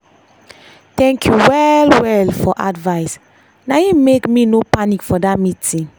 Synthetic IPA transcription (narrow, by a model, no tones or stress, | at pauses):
tɛ̃ŋkʰjuwɛlwɛlfɔʔadvaɪs | najimekminopanikfɔdamitʰĩn